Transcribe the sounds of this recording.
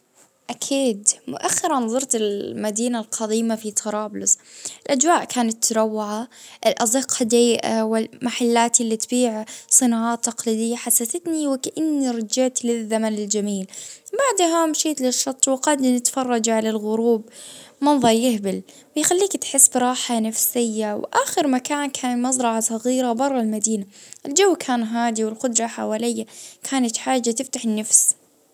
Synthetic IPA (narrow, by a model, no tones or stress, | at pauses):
ʔakʰiːd̪mʊ̰ʔaxːɪɾanðˤɑɾˤt̪ɪlmad̪iːnalqʰɑd̪iːmafit̪ʰɑɾˤɑːblʊsɪlʔad͡ʒwaːʔkʰaːnat̪ʰːɾˤawːaʕaʔɪlʔɑzˤɪqhad̪ajɪʔa̰wɪlmaħalːaːt̪ɪlːit̪biːʕsˤɨnɑːʕaːt̪ːɑqlid̪ɪjːaħasːaθat̪niwɪkaʔanːiɾˤɑd͡ʒɪʕt̪lɪðːamanɪld͡ʒamiːlbaʕd̪ɦamʃiːt̪lɪʃːɑt̪ˤːwɪqɑd̪nɪt̪fɑrˤːɑd͡ʒʕalalɣʊɾuːbmɑnðˤɑɾˤjɪhbɪl | wɪjxalːiːkt̪ħɪsːbɾˤɑːħanafsɪjːawʔaːxɪɾmakaːnkʰaːnmɑzˤɾˤɑʕasˤɑɣiːɾabɑrˤːɑlmad̪iːnaʔɪld͡ʒawːkʰaːnɦaːd̪iwɪlqʊd̪ɾˤɑħa̰waːlɪjːakʰaːnat̪ħaːd͡ʒːat̪ɪft̪aħɪnːafs